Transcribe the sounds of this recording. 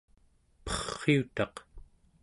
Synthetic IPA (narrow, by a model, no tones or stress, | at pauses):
pʌ̥χːiut̪ɑq